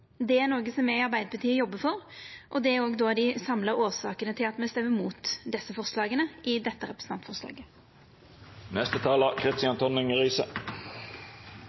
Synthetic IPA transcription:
d̪ɛæɾnoːɡəsɔmːæɪɑɾbæɪd̪əbət̪ʰiːəjɔbːəfɔɾʔɔd̪ɛæɾoːɡd̪oːɑd̪ɪsɑmləɾoːsɑːkənət̪ʰɪlɑt̪mɛst̪ɛmːəmuːt̪d̪ɛsːəfɔʁslɑːɡənəɪd̪ɛt̪ːəɾɛpɾəsn̩t̪ɑnt̪fɔʁslɑ̰ːɡə | nɛst̪ət̪ʰɑːləkʰɾɪst̪ɪɑnt̪ʰɔnɪŋəʁiːsə

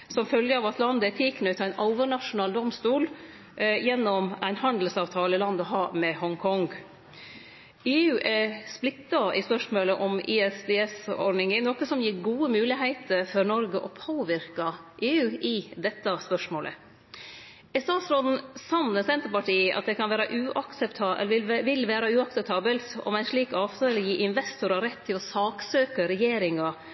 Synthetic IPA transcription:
sɔmfœljəɑːʋɑt̪lɑnd̪əætʰiːknʉt̪ʰæɪnɑʊʋəɳɑʂʊnɑːld̪ɔmst̪uːl | jɛnːɔmæɪnhɑnd̪l̩sɑːʋt̪ʰɑːləɪlɑnd̪əɔɦɑːmɛhɔŋkʰɔŋɡ | eːʉːʔæsplɪt̪ːɑɪspœʂmoːləʔɔmɪɛsd̪ɛːɛsɔ̰ɖnɪŋɪnɔkəsɔmjiːɾɡuːəmʉːlɪɦæɪt̪ʰəɾfɔɾnɔɾɡəʔɔpʰoːʋɪɾkɑʔeːʉːʔɪd̪ɛt̪ːɑspœʂmoːlʔə̰ | ɛst̪ɑːt̪sɾoːd̪n̩sɑnːəsɛnt̪əɾpɑʈiːʔɑt̪̚d̪ɛkʰɑnʋæːɾɑʔʉːʔɑksɛpt̪ʰɑʋɪlʋæːɾɑʉːɑksɛp̚t̪ʰɑːbəlt̪ɔ̰mæɪʂɭiːkɑːʋt̪ʰøːləjiːʔɪnʋɛst̪ʊɾɑɾɛt̪ʰːɪlɔsɑːksøːkəɾɛjeːɾɪŋɑ

